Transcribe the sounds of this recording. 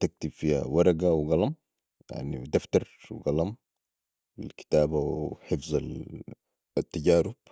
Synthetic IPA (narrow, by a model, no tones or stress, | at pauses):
t̪ak̚t̪ibfiːha̰wɑɾˤɑɡawɡɑlɑm | ja̰ʕnid̪aft̪ɑɾˤwɡɑlɑm | alki̥t̪aːbawħɪfzˤal | at̪ːaɟaːɾʊb̥̚